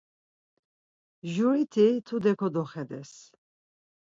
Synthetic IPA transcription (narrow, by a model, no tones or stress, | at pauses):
ʒuɾit̪ʰit̪ʰud̪ɛkʰɔd̪ɔχɛd̪ɛs